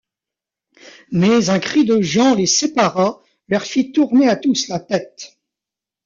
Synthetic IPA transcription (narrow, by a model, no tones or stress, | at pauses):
mɛzɛ̃kχid̪əʒɑ̃lesepaʁa | lœʁfit̪uʁneat̪uslat̪ɛt̪